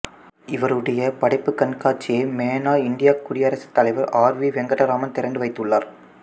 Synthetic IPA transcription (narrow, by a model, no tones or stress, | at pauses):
ɪʋɐɾɯɽɐjɐpɐɽɐɪpːɯkːɐnkaːt͡ʃːɪjeːmeːnaːɪɳɖɪjaːkːʊɽɪjɐɾɐsɯ̥t̪ːɐlɐɪʋɐɾaːɾʋiːʋɛŋɡɐɽɐɾaːmɐnt̪ɛɾɐɳɖɯʋɐɪt̪ːɯɭːaːɾ